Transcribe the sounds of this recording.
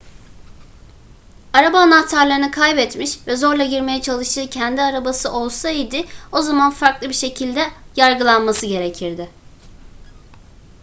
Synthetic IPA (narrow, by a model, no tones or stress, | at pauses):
aɾabaːnaht̪ʰaɾlˠaɾɯnɯkʰajbɛt̪miʃvɛzo̞ɾlˠaɟiɾme̞jɛt͡ʃʰalˠɯʃt̪ʰɯːcʰɛnd̪iaɾabasɯʔo̞lˠsaid̪ɪo̞zamanfaɾklˠɯbiɾʃe̞cʰilʲd̪ɛjaɾɡɯlˠanmasɯɟe̞ɾecʰiɾd̪ɪ